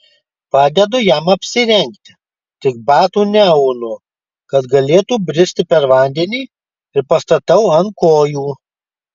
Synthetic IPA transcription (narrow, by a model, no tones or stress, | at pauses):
pɑːd̪ʲɛd̪ʊjɛmɐpʲsʲɪɾʲɛŋʲkt̪ʲɪ | t̪ʲɪɡ̚bɑːt̪uːnʲɛɐʊnʊ | kɐt̪ɡɐlʲeːt̪uːbʲɾʲɪsʲt̪ʲɪpʲɛɾʋɐˑnʲd̪ʲɛnʲiː | ɪɾpɐst̪ɐt̪ɐʊɐnkoːjuː